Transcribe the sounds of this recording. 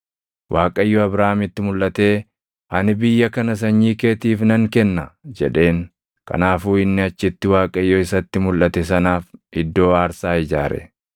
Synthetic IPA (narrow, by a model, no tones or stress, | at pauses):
wʔaːkʼɐɪjːoɐbɾaːmɪt̪ːɪmʊlʔɐt̪e̞ː | ɐnɪbɪjːɐkɐnɐs̬ɐɲːiːke̞ːt̪iːfnɐŋkɛnːɐd͡ʒɛ̰ᶑe̞ːŋ | kɐ̰naːfuːɪnːɪɐt͡ʃːɪt̪ːɪwaːkʼɐjːoɪsɐt̪ːɪmʊlʔɐt̪ɛs̬ɐnaːfʔɪd̪ːo̞ːaːɾsaːɪd͡ʒaːɾɛ̰